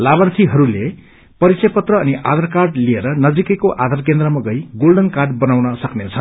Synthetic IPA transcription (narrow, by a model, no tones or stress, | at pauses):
laβʌrt̪ʰiɦʌɾule | pʌɾit͡sʌjpʌt̪rʌːniʔa̰d̪ʱarkarɖlieɾʌnʌd͡zikʌkoʔad̪ʱarkend̪rʌmaɡʌjɡolɖʌnkarɖbʌnawnʌsʌknet͡sʰʌn